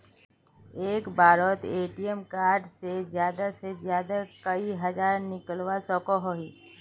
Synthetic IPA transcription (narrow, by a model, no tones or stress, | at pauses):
eːkbaːɾɔt̪eːʈijəmkaːɾɖsezjaːd̪asezjaːd̪akəiɦɐd͡ʒaːɾnɪkəlwasɔːkoɦoɦiː